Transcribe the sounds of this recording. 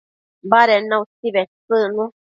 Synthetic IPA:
baɾenãutiβet͡sɨnũ

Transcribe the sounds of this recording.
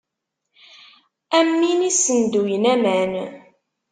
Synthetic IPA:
æmːinisənd̪ujnæmæn

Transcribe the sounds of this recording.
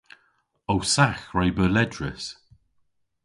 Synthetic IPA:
owsaxɹajbəlɛdɹɪ̰s

